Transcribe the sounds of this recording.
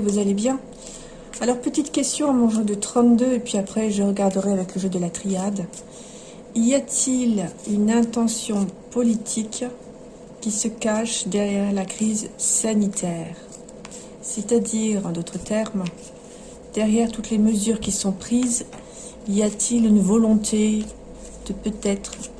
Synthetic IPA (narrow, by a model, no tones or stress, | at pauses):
vuzalebjɛ̃ | alɔʁpət̪it̪kʲɛst̪jɔ̃amɑ̃ʒɑ̃d̪ət̪χɑ̃t̪̚d̪øepɥiapχɛʒəʁəɡaʁd̪əʁɛavɛkləʒød̪əlat̪χijad̪ | ijat̪ʰilynɛ̃t̪ɑ̃sjɔ̃pɔlit̪ʰikːʲ | isəkaʃd̪ɛʁjɛʁlakχizsanit̪ʰɛʁ | set̪ad̪iʁɑ̃d̪ot̪χət̪ɛʁm | d̪̥ɛʁjɛʁt̪ut̪leməzyʁkʲisɔ̃pχiz | ijat̪ʰilynvɔlɔ̃t̪ʰe | d̪̥əpøt̪ɛt̪χ